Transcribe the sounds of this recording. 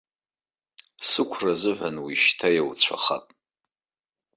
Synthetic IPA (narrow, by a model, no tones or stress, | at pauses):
sɨkʷʰrazɨħʷanwiʃtʰajawt͡ɕʷʰa̰χa̰pʼ